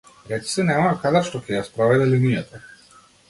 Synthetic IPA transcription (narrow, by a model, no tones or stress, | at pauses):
ɾɛt͡ʃ̪i̥sɛnɛmakad̪aʃt̪ɔkʲɛjaspɾɔvɛd̪ɛlinijat̪a